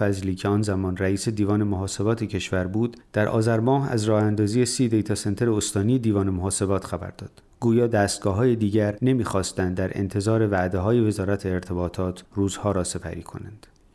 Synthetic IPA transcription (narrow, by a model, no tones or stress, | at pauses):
æzliːcʰe̞ɒːnzæmɒːnræiːse̞d̪iːvɒːne̞moɦɒːse̞bɒːt̪ʰecʰe̞ʃvæɾbuːd̪d̪̥æɾʔɒ̰ːzæɾmɒːɦæ̰zrɒːhænd̪ɒːziːjesiːd̪ejt̪ʰɒsent̪e̞ɾeost̪ɒːnijed̪iːvɒːnemoɦɒːse̞bɒːt̪ʰxæbæ̰ɾd̪̥ɒːd̪̥ | ɡ̥uːjɒːd̪æːst̪̚ɡ̥ɒːɦɒːje̞d̪iːɟæɾne̞miːxɒːst̪ænd̪ːæɾʔḛnt̪ʰe̞zɒːɾe̞væʔd̪e̞ɦɒːje̞ve̞zɒːɾæt̪ʰeːɾt̪ʰe̞bɒːt̪ʰɒːt̪ʰruːzhɒːɾɒːse̞pʰæ̰ɾiːkʰo̞̰nænd̪̥